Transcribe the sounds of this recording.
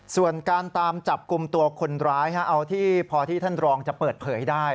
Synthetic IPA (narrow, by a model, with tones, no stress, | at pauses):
su˨˩ənkaː˧nt̪aː˧mt͡ɕa˨˩p̚ku˧mt̪u˧ɐkʰo˧nɾaː˦˥jha˦˥ʔa˧wt̪ʰiː˥˩pʰɔː˧t̪ʰiː˥˩t̪ʰa˥˩nɾɔː˧ŋt͡ɕa˨˩ʔpɤː˨˩t̪̚pʰɤː˩˦jdaː˥˩j